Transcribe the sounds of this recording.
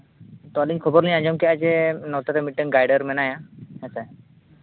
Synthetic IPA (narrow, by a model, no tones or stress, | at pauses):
t̪ɔaliɲkʰɔbɔɾniɲãɲd͡ʒɔmkɛad͡ʒɛnɔwt̪aɾɛmiʈːəŋɡajɖəɾmɛnajaɛsa